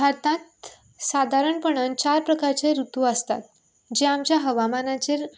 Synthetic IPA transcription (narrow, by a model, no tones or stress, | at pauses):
bʱaɾt̪ãt̪ | sad̪ʱaɾəɳpəɳ̃ənt͡ɕaɾpɾəkaɾt͡seɾut̪uəst̪a̰t̪̚ | d͡ʑeamt͡ɕjaɦəʋamanat͡ɕeɾ